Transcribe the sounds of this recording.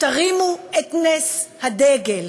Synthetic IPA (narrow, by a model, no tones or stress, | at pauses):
t̪aʁimuet̪neshad̪eɡel